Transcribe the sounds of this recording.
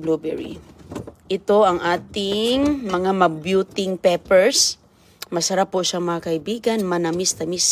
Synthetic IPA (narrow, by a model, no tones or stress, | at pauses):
blobɛ̰ɹḭ | ʔɪt̪o̞ʔɐŋʔaːt̪ɪŋmɐŋamɐbjut̪ɪŋpɛpɛɹs | mɐsɐɾapːʊʃaŋmɐŋakɐʔɪbiːɡɐnmɐnɐmɪst̪ɐmis